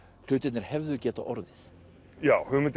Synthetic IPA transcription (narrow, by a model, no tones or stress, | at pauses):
l̥ʏːt̪ɪt̪nɪɾ̥hɛvðʏcɛːt̪aʔɔɾðɪθ | jaːwhʏmɪt̪